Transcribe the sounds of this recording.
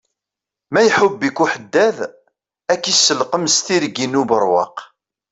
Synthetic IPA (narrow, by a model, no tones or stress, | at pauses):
mæjħʊbːikːuħəd̪ːæð | ækːisːəlqəmst̪iɾɡinubəɾˤwɑ̰q